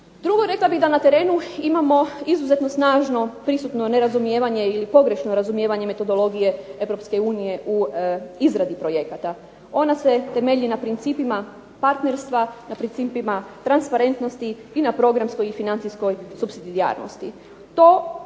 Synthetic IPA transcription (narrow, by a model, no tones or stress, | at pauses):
d̪ɾuɡo̞ɾe̞klˠabiɣd̪anat̪e̞ɾe̞ːnuimamo̞izuze̞t̪no̞snaːʒno̞pɾisut̪no̞ne̞ɾazumjeːʋaɲe̞ilipo̞ɡɾe̞ʃno̞ɾazumje̞ːʋaɲe̞me̞t̪o̞d̪o̞lˠo̞ɡije̞e̞ʋɾo̞pske̞uːnije̞ʔuizɾad̪ipɾo̞je̞kat̪a | o̞nase̞t̪e̞me̞ʎinapɾint̪siːpima | paɾt̪ne̞ɾst̪ʋanapɾint̪siːpimat̪ɾanspaɾe̞nt̪no̞st̪iːnapɾo̞ɡɾamsko̞jifinantsijsko̞jsupsid̪id̪ia̰ːɾno̰st̪i | t̪o̞ː